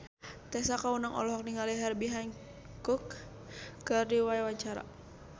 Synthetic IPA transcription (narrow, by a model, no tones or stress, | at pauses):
t̪ɛsakaunaŋʔɔ̰lɔɦɔk̚niŋaliɦɛrbiɦaɲ | kuk | kərdiwaɛwaɲt͡ʃaɾa̰